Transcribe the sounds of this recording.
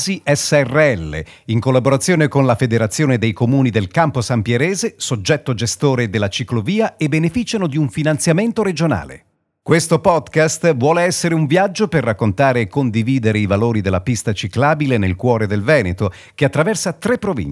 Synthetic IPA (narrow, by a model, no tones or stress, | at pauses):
ziʔɛsːɛrːeɛlːḛ | iŋkolːaboɾat̪sːjoːnekonlafed̪eɾat̪sːjoːned̪ejkomuːnid̪elkamposampjeɾɛːzesod͡ʒːɛt̪ːod͡ʒest̪oːɾed̪elːat͡ʃikloviːaebːenefit͡ʃanod̪iuɱfinant̪sjament̪oɾed͡ʒona̰ːlḛ | kwest̪opɔd̪kast̪vwɔːleɛsːeɾeuɱvjad͡ʒːoperːakːont̪aːɾeːkːond̪iviːd̪eɾeivaloːɾid̪elːapist̪at͡ʃiklaːbilenelkwɔːɾed̪elvɛːnet̪o | keat̪ːɾavɛrsat̪ɾepːɾovḭn